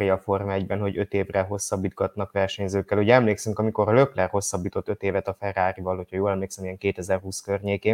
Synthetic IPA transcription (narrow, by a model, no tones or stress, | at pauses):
ijɒfo̞rmɛɟbɛnɦo̞ɟø̞t̪eːvrɛɦo̞sːɒbːiːd̪̚ɡɒt̪nɒkʋɛrʃɛɲzøːkːɛluɟɛɛmleːksyŋkɒmiko̞rlø̞klɛrho̞sːɒbːiːt̪o̞t̪ːø̞t̪eːvɛt̪ɒfɛraːɾivɒlhocʰhɒjoːlɛmleːksɛmijɛŋkeːt̪ɛzɛrɦuːskørɲeːkeːn